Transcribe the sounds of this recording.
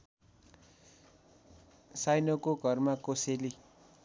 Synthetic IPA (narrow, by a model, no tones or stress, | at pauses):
sajnokoɡʱʌrmakoseli